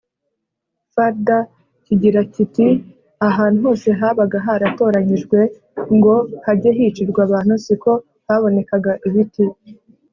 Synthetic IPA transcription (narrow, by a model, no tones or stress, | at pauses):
faɾda | ciɟiɾaciti | aɦaːnuɦo̞ːse̞ɦaːβaɡaɦaɾato̞ːɾaɲiʒɡwe̞ | ŋɡo̞haɟeɦit͡ʃiɾɡwaβaːn̥usiko̞ | haβo̞ne̞kaɡaʔiβiti